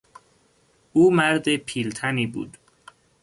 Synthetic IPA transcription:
uːmæɾd̪epʰiːlt̪ʰæniːbṵːd̪̥

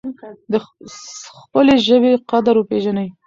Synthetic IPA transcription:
d̪ə | xpəleʒəbeqad̪aɾwəpeʒanəj

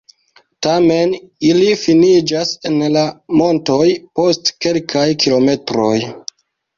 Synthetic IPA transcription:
tame̞nilifinid͡ʒase̞nlamo̞nto̞jpo̞stke̞lkʰajkʰilo̞me̞tɾo̞j

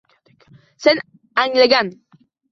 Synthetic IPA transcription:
sen | aŋleɡan

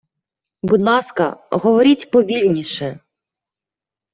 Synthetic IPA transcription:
bʊd̪nɑskɐ̰ɦɔʋɔɾʲitʲpɔʋʲilʲnʲiʃɛ

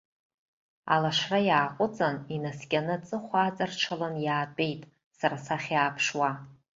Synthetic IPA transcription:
a̰laʂrajaːqʷʼʊt͡sʼaninaskʲʼanɨt͡sʼɨχʷaːt͡sʼarʈ͡ʂʷʰalanjaːpʼe̞jtʼ | saɾasaχʲaːpʰʂwa

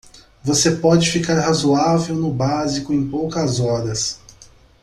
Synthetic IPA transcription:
vosepɔd͡ʒɪfikaɾhazuavewnʊbazikʊẽj̃powkɐzɔɾɐs

